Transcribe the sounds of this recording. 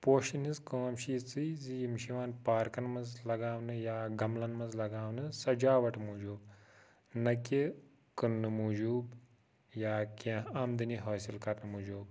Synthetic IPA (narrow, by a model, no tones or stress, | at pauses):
poːʃinizkoːmʃiːt͡sɨzijimʃiʋaːnpaːɾkɐnmɐzlɐɡaːʋnɨjaːɡɐmlɐnmɐzlɐɡaːʋnɨsɐd͡ʒaːʋɐʈmuːd͡ʒuːb | nɐkʲi | kɨnːɨmuːd͡ʒuːb | jaːkʲẽaːmd̪ɨniɦoːsilkɐɾnɨmud͡ʒuːb